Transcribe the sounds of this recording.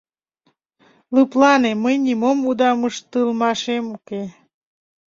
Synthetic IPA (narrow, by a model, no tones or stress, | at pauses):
lɨplɑneməjnimomud̪ɑməʃt̪ɨlmɑʃemuke